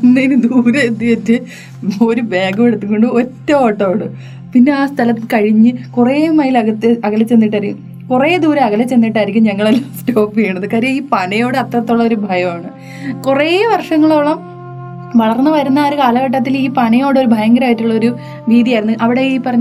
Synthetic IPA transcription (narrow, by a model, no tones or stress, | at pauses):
nːenɨd̪uːɾɐet̪ːiʋɐtːɨ | o̞ɾube̞ːɡɐmeɽut̪ːuŋko̞ɳɖɨo̞tːɐoːʈːɐoːɳɨ | pinːe̞aːst̪ʰɐlɐmkɐɻiɲːɨkureːmɐjilɐɣɐt̪ːɨɐɣɐlɐt͡ɕːe̞nːiʈːɐɾikʲːum | kureːd̪uːɾɐɐɡɐlɐt͡ɕːe̞nːiʈːɐɾikʲːumɲɐŋːɐɭelːasto̞ːpːijeeɳːɐðɨkaːɾjɐiːpɐnɐjo̞ːɽɨɐt̪rɐt̪ːoɭːɐoɾubʱɐjɐmaːɳɨ | kureːʋɐrʂɐŋːɐɭoɭːɐm | ʋɐɭɐrnːɨʋɐɾunːaːɾukaːlɐɣɐʈ̬ːɐt̪ːiliːpɐnɐjo̞ːɽeoɾubʱɐjɐŋɡɐɾaːjiʈːuɭːɐo̞ɾu | ʋiːd̪ijaːjɾunːuʔɐʋiɽeiːpːɐrɐɲː